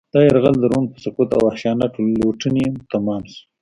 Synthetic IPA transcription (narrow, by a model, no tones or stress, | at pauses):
d̪̥ɑjaɾɣald̪əɾon̚pəsəkut̪a̰waxʃɑːnaʈloʈənimt̪amɑmsu̥